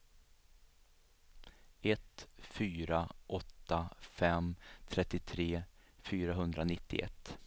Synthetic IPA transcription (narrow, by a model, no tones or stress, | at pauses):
ɛt̪fyːɾaʔɔt̪ːafɛmt̪ʰɾɛt̪ːɪt̪ʰɾeːfyːɾaɦɵnd̪ɾanɪt̪ːɪ̰ʔɛ̰t̪ː